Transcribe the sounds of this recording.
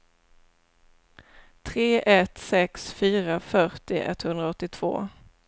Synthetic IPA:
t̪ʰɾeːʔɛt̪sɛksfyːɾafœʈɪʔɛ̰t̪hɵnd̪ɾaɔt̪ːɪt̪ʰv̥o̰ː

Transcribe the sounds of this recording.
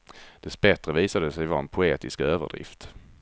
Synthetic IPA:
d̪̥ɛsbɛt̪ɾəviːsad̪əsɛjvɑɾɛnpʰʊeːt̪ɪskøːvə̰ɖɾɪ̰ft̪

